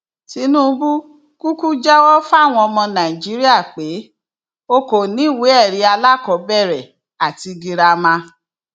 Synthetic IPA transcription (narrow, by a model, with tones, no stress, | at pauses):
ti˨˦nũ˦˧bu˦ | ku˦ku˦d͡ʒa˦wɔ˦fa˦˨w̃ɔ̃˧ɔ˧mɔ̃˧nã˨i˨d͡ʒi˨˦ɾi˦a˦˨k͡pe˨˦ | o˧ko˨nĩ˨˦˨we˨˦ɛ˦˨ɾi˨˧˦a˧la˦kɔ˨˦bɛ˦˨ɾɛ˨ | a˨ti˧ɡi˧ɾa˧mã˧